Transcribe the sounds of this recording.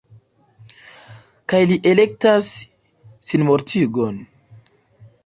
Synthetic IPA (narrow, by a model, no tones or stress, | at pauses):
kajliʔe̞le̞k̚tasː | inmoɾtʰiɡo̞n